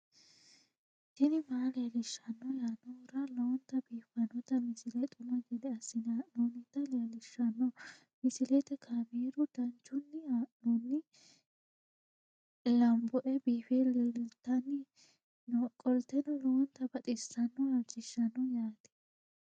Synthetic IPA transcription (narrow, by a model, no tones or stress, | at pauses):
tɪnɪmaːlɛɐlɪʃːɐnːɔjaːnːɔɾɐlɔwɔnt̪ɐbiːfɐnːɔt̪ɐmɪsɪlɛt̪ʼʊmɐɡɛd̪ɛɐsːɪnanonɪt̪ːɐlɛɐlɪʃːɐnːɔ | mɪsɪlɛt̪ɛkʰaːmeːɾʊd̪̥ɐnt͡ʃːʊnːɪanɔnːɪ | lɐmbɔʔɛbiːfellt̪ɐnɪ | kʼɔlt̪ɛnʊlɔwɔnt̪ɐbɐt̪ʼɪsɐnːɔhɐt͡ʃʼːɪʃːɐnːɔjaːt̪ɪ̥